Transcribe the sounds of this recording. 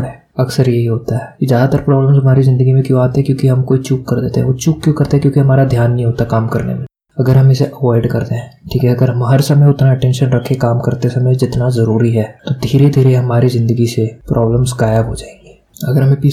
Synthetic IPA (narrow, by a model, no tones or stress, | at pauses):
ɦɛː | ɐksəɾjeɦiɦoːt̪aɦɛːkizjaːd̪at̪əɾpɾɔːbləmzɦɐmaːɾizɪ̃nd̪əɡimẽkjõaːt̪eɦɛ̃kjõːkiɦɐmkoːit͡ʃuːkːɐɾd̪eːt̪ḛɦɛ̃ʋoːt͡ʃuːkːjõːkɐɾt̪eɦɛ̃kjõːkiɦɐmaːɾad̪ʱjaːnːɐɦĩɦoːt̪aɦɛkaːmkɐɾnḛmḛ̃ | ɐɡəɾɦɐmɪseʔɐʋɔːɪɖkɐɾt̪eɦɛ̃ːʈʰiːkɦɛɐɡəɾɦɐmɦɐɾsɐməjʊt̪naɐʈɛ̃ːnʃənɾɐkʰːekaːmkɐɾt̪esɐməjd͡ʒɪt̪nazɐɾuːɾiɦɛːt̪od̪ʱiːɾed̪ʱiːɾeɦɐmaːɾizɪ̃nd̪əɡisepɾʔɔːbləmzɡaːjəbɦod͡ʒaːẽːŋɡeːɐɡəɾɦɐmẽpiː